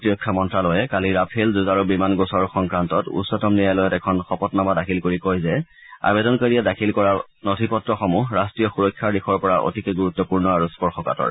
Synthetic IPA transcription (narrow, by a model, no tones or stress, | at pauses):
tiɔkʰːamɔntɹalɔjɛkaliɹapʰelzuzaɹubimanɡosɔɹxɔŋkɹantɔtṵsɔtɔmnijajlɔjɔtɛkʰɔnxɔpɔtnamadakʰilkoɹikojzɛ | a̰bɛdɔnkoɹiɛdakʰilkɔɹa | notʰipɔtɹɔxɔmuɹastɹijɔxuɹɔkʰːaɹdixʰɔɹpɔɹaʔo̰tikɛɡuɹut̪ːɔpuɹnɔaɹuspɔɹxɔka̰tɔ̰ɹ